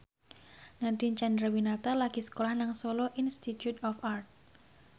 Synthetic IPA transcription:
nat̪int͡ʃand̪ɾawinat̪alaɡ̥isə̥kolahnaŋsoloʔinst̪it̪jut̪ɔfart̪̚

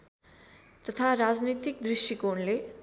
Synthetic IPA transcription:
t̪ʌt̪ʰaɾad͡znit̪ik̚d̪risʈikonle

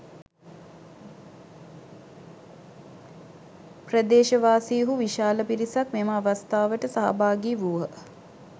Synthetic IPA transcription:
prəd̪eːʃəʋaːsijɦuʋiʃaːləpiɾisakmemaːʋast̪aːʋəʈəsaɦa̰baːɡiʋuʋə

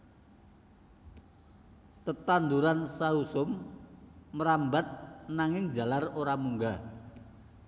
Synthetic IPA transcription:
t̪ət̪and̪uɾansausʊmː | əɾambat̪̚naŋɪŋd͡ʒa̤laroɾamuŋɡa

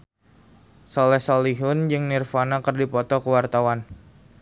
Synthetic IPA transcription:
sɔlɛhsɔliɦʊnd͡ʒɨŋnirfanakɨrdipɔt̪ɔkəwart̪awan

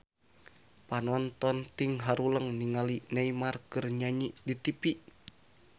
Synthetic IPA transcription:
panɔnt̪ɔnt̪iŋɦaɾuləŋniŋalinaimarkɨrɲaɲiʔdit̪ipiʔ

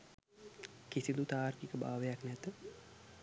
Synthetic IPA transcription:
kisilut̪aːrkikəba̰ːʋəjaknɛt̪ə

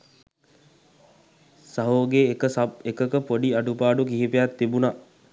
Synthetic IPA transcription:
saɦoːɡeːkəsaekəkəpoɖiɐɖupaːɖukiɦipejat̪ːibuna

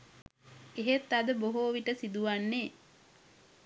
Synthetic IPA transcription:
eɦet̪ːad̪əboɦoʋiʈəsid̪uʋanːe

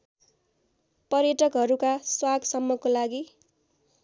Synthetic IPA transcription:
pʌrjʌʈʌkɦʌɾukaswaɡsʌmːʌkolaɡi

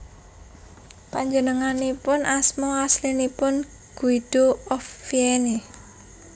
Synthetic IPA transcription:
paɲd͡ʒənəŋanipʊnʔasmɔaslinipʊn | ɡ̥uid̪̥oɔfːiene

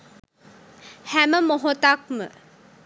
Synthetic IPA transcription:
hæməmoɦot̪ak̚mə

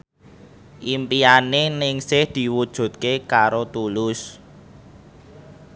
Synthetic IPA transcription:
ʔimpianenɪŋsɪhd̪̥i̤wud̥ʒ̥ṳt̪̚kekaɾot̪ulʊs

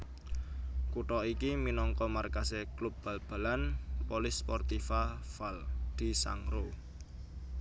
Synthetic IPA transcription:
kuʈɔikiminɔŋkɔmarkaseklup̚b̥a̤lb̥a̤lanpolɪspɔrt̪ifafald̪̥i̤sa̰ŋro

